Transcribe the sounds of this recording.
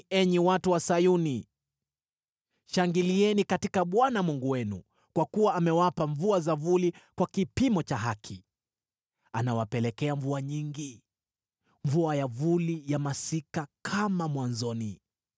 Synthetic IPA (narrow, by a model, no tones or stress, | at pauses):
ɛɲiwatuwasajuni | ʃaŋɡiliɛnikatikaɓwanamuŋɡuwɛnṵ | kwakuwaːmɛwapaɱvuazavulikwakipimɔt͡ʃaɦakʰi | anawapɛlɛkɛaɱvuaɲiŋɡi | ɱvuajavulijamasikakʰamamwanzɔni